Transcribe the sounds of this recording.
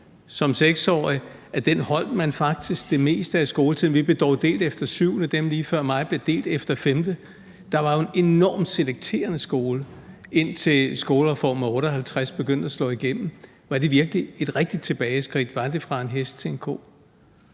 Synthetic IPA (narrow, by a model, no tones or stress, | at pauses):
sɒ̽mseɡ̥sɒ̰ːiæɐd̥enhɒ̽l̰d̥mænfɑ̈ɡ̥̚d̥isɡ̥̚d̥e̝me̝̰ːsd̥əæsɡ̥o̝ːlət͡sʰiðˠnʋib̥e̝d̥ɒʊd̥e̝̰ːld̥efd̥ɐsyʊ̰nəd̥emliːfɶɐ̰mɑ̈ɪ̰b̥le̝d̥e̝̰ːld̥efd̥ɐfemd̥ə | d̥ɑ̈ʋɑ̈jo̝e̝ne̝nɒːmd̥seleɡ̥̚t͡sʰe̝̰ːɐnəsɡ̥o̝ːlə | e̝n̰t͡sʰe̝sɡ̥o̝ːlɐʁɐfɒ̰ːmæɔ̽ːɾ̥ɒhælt͡sʰʁasb̥e̝ɡ̥øn̰d̥æslɔ̰̽ːiɡ̥en̰m̩ | ʋɑ̈d̥e̝ʋiɐɡ̥lie̝d̥ʁɛɡ̥̚d̥id̥̚t͡sʰe̝b̥ɛːɪsɡ̥ʁḭd̥ʋɑ̈d̥e̝fʁɑ̈e̝nɦesd̥t͡sʰe̝enkʰo̰ː